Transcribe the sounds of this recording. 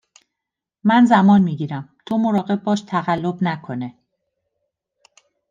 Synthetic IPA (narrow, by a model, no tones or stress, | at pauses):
mænzæmɒːnmiːɟiːɾæmt̪ʰo̞mo̞ɾɒːɣe̞b̚bɒːʃt̪ʰæɣælːo̞bnækʰo̞ne